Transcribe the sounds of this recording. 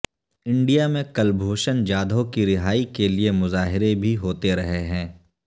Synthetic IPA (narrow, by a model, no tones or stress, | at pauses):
ɪ̃ɳɖijamẽkɐlbʱoːʃənd͡ʒaːd̪ʱõkiɾɪɦaːikeliemʊzaːɦɪɾebʱiɦoːt̪eɾɐɦeɦɛ̃ː